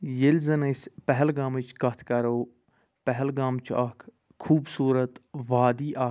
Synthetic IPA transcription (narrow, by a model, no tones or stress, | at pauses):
jelʲzɐnɐspɛɦɛlɡaːmit͡ʃʰkɐt̪ʰkɐɾoː | pɛɦlɡaːmt͡ʃʰaːkʰ | kʰuːbsuːɾət̪ʋaːd̪iːʔaː